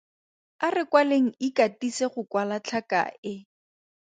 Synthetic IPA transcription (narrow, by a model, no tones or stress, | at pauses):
arɪkwaleŋ̩ikatiseχʊkwalat͡ɬʰaka̰ɪ